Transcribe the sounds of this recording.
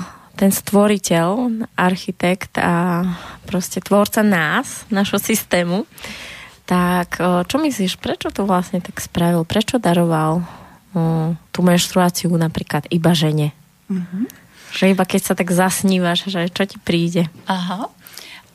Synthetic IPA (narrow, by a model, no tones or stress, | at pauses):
t̪ɛnst̪ʋɔɾicɛlʔaɾxit̪ɛkt̪apɾɔscɛt̪ʋɔɾt͡sanaːsnaʒɦɔsist̪ɛːmu | t̪akʰt͡ʃɔmisliʃpɾɛt͡ʃɔt̪ɔʋlasɲɛt̪akspɾaʋilpɾɛt͡ʃɔd̪aɾɔʋal | t̪umɛnʃt̪ɾuaːt͡siunapɾiːklad̪ibaʒɛɲɛ | ʒ̥ɛibakɛcsat̪aɡzasɲiːʋaʒʒɛt͡ʃɔcipɾiːɟɛaɦa